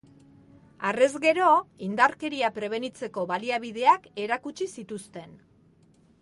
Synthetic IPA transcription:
are̞zɡe̞ɾo̞ind̪aɾke̞ɾiapɾe̞β̞e̞nit͡se̞ko̞βaliaβ̞ið̞e̞ake̞ɾakut͡ʃisit̪ust̪e̞n

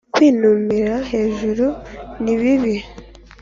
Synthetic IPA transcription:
kwiːnuːmiɾahe̞ːʒuɾuniβiβi

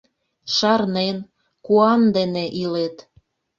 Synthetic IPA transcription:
ʃɑrnen | kuɑnd̪eneʔilet̪

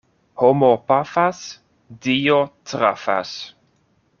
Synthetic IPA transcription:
homopafas | dijotɾa̰fa̰s

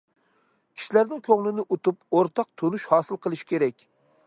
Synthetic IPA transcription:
kʲʰi̥ʃilæɾnɪŋkʲʰøŋlɪnɪʔut̪upoɾt̪ɑq̚t̪ʰonuʃhɑːsɨlˠqʰəlˠɨʃi̥kʲeɾɛk̚ʲ

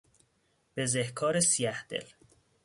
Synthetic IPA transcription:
b̥ezehkʰɒːɾesijæhd̪̥ḛl

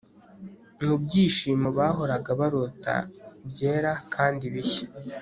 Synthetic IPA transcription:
nubɟiːʃiːmaβaːɦo̞ɾaɡaβaɾota̰bjeːɾakʰaːndiβiçḁ

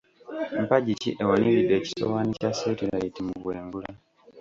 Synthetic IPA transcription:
m̩paɟitʰiʔewanilidːe̞ːci̥so̰waːnicaseːtilajitimuβwe̞ːŋɡulaa

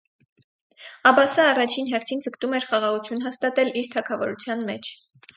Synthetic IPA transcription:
ɑbɑsəːrɑt͡ʃʰinɦɛɾt̪ʰind͡zəkt̪umɛɾχɑʁɑʁut͡sʰjunɦɑst̪ɑt̪ɛliɾt̪ʰɑkʰɑvɔɾut͡sʰjɑnmɛt͡ʃʰ

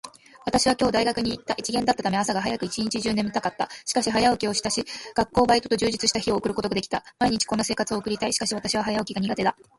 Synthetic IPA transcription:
β̞at̪aɕiβakʲo̞ːd̪aiɡakɯ̟ɲ̟iːt̪ːaʔit͡ɕiɡe̞nd̪at̪ːat̪ame̞asaɡaɦajakɯ̟it͡ɕiɲit͡ɕiʑɨːnẽ̞mːɯt̪akat̪ːaɕi̥kaɕiɦajaokʲio̞ɕi̥t̪aɕiɡ̥akːo̞ːbait̪o̞t̪o̞ʑɨːʑit͡sɨɕi̥t̪açio̞ːkɯ̟ɾɯ̟kooɡad̪ekʲi̥t̪amaiɲ̟it͡ɕi̥ko̞nːase̞ːkat͡sɨo̞ːkɯ̟ɾʲit̪aiɕi̥kaɕiβat̪aɕiβ̞aɦajaokʲiɡaɲ̟iɡat̪e̞d̪a

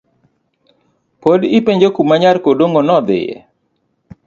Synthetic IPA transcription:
podɪpeɲd͡ʒokumaɲaɾkodoŋonɔd̪ɪ̰jɛ̰

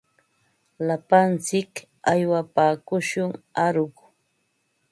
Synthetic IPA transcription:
lapant͡sɪk | ajwapaːkʊʃʊŋaɾʊk

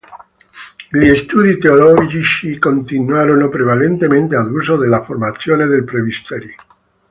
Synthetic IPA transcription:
liest̪uðit̪eoloʝiʃikont̪inwaɾonopɾeβ̞alent̪emẽnt̪eaðusoðelafoɾmaθjoneðelpɾeβist̪eɾjo

